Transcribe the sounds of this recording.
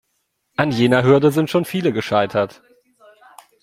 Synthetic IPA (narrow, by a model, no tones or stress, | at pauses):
ʔanjeːnɐɦʏɐdəzɪntʃoːnfiːləɡəʃaɪtʰɐt